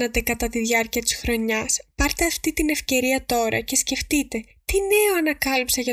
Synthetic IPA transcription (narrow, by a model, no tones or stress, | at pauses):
nɐt̪e̞kɐt̪ɐt̪iðʝɐɾciɐt̪i̥sxɾo̞ɲɐspɐɾt̪e̞ɐft̪it̪ine̞fce̞ɾiɐt̪o̞ɾɐ̰ce̞sce̞ft̪it̪e̞ | t̪ine̞oɐnɐkɐlipsɐʝɐ